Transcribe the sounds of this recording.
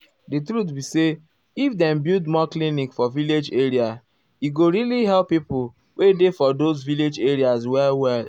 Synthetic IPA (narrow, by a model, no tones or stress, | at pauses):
dɨtɾut̬bise | ifdɛm̩bjudmɔklinikfɔviled͡ʒeɹia | jiɡoɾiliɦɛlpːipʊ | wedefɔdozviled͡ʒeɹiazwɛlwɛl